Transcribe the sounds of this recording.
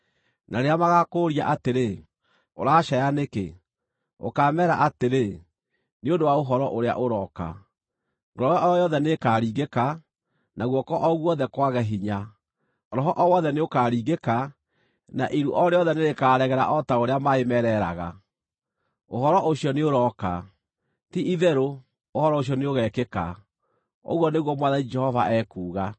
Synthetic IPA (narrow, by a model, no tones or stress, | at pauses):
nʔaɾeamaɣakoːɾia̰ʔateɾe | o̰ɾaːʃajanekḛ | o̰kaːmɛːɾa̰ʔateɾe | neondowaoɦɔɾɔʔoɾea̰ʔoɾɔka̰ | ŋɡɾɔɛɔjɔðɛnekaːɾiːɣeka | nʔaɣwɔkɔʔɔɣwɔðɛkwaɣɛɦiɲa | ɔɾɔɦɔʔɔwɔðɛneokaːɾiːɣeka | na̰ʔiɾuʔɔɾeɔðɛneɾekaːɾɛɣɛɾa̰ʔɔtaoɾeamaemɛɾɛɾa̰ɣa̰ | oɦɔɾɔʔoɕjɔneoɾɔka | tiʔiðɛɾo | ohɔɾɔoɕ̬jɔneoɣɛːkeka̰ | o̰ɣwɔneɣwɔmwaðanid͡ʒɛhɔva̰ʔɛkuːɣa